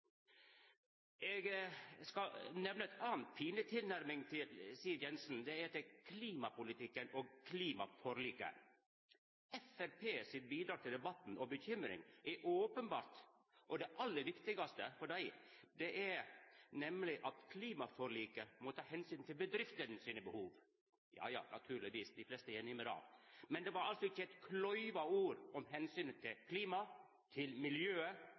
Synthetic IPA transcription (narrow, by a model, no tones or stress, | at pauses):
ɛɡskɑnɛʋnəɛt̪ʰɑːnt̪̚pʰiːnət̪ʰɪlnæɾmɪŋt̪ʰɪlsiːəɾjɛnsn̩d̪ɛɛt̪ɛkʰliːmɑpʊlɪt̪ɪkːənoːɡ̚kʰliːmɑ̰fɔɾliːkə̰ | ɛfæɾpʰeːsɪt̪biːd̪ɾɑːt̪ʰɪld̪ɛbɑt̪n̩ɔbəçʏmɾɪ̰ŋʔɛɾʔoːpənbɑːɾt̪ | ʔɔd̪ɛʔɑlːəɾʋɪkt̪ɪɡɑst̪əfɔɖæɪd̪ɛʔæɾnɛmlɪʔɑt̪kʰliːmɑfɔɾɭiːkəmɔt̪ʰɑːhɛnsyːnt̪ʰɪlbəd̪ɾɪft̪ənsiːnəbəhuːʋ | jɑ̰ːjɑ̰ːnʔɑ̰t̪ʰʉːɾlɪʋiːsd̪ɪflɛst̪əjɛnɪməɾɑ̰ːmɛnd̪ɛʋɑɾɑlsɔɪçːəɛɪt̪kʰlɔʏʋɑuːɾɔmhɛnsyːnt̪ʰɪlkʰliːmɑ | t̪ʰɪlmɪljøːə